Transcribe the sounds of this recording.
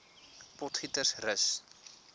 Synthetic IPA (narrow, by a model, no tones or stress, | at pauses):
pɔtχitərsrəs